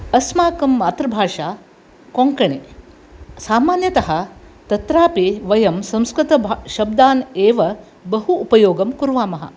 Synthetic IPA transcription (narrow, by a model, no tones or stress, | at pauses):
ɐsmaːkɐmːaːt̪ɾɐbʱaːʂaː | koŋkɐɳeː | saːmaːnjɐt̪ɐɦɐ | t̪ɐt̪ɾaːpiʋɐjɐmsɐ̃mskɾit̪ɐbʃɐb̚d̪aːneːʋɐ | bɐɦuːpɐjoːɡɐmkuɾʋaːmɐɦɐ̰